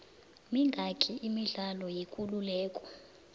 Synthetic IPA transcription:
miŋɡʱakʰʼiʔimiɮalɔjekʼululɛːkʼɔ̥

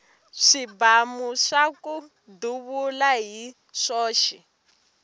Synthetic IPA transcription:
ʂibamuʂaku | duβulaɦi | ʂɔːʃɛ

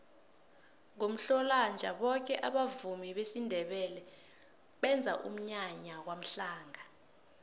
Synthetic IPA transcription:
ŋom̩ɬɔland͡ʒʱaɓɔk̬ɛʔaɓavumiɓesindʱɛɓɛlɛ | ɓɛnd͡zʱaʔṵm̩ɲaɲakwam̩ɬaːŋa

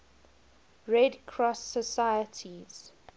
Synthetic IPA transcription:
ɹɛdkʰɹɔsəsajətʰiz̥

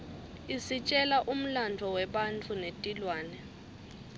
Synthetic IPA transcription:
isit͡ʃʼɛlaʔum̩lantʰɔwɛɓant͡fʰunetʼilwaːnɛ

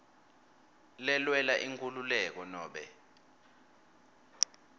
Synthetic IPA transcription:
lɛlwɛlaʔiŋkʼululɛk̬ɔnɔːɓɛ

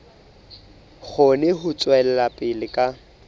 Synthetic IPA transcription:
k͡xʰʊnɛɦʊt͡sʼwɛlɛlapʼɪlɪkʼa

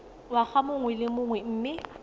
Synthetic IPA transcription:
wak͡xamʊŋwɛlɪmʊŋwɛm̩ːmɪ

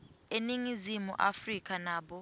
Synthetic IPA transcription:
eniŋizimṵʔa̰frik̬ʰʼanaːɓɔ

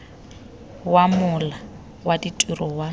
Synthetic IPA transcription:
wamʊla | waditʼwirɔwa

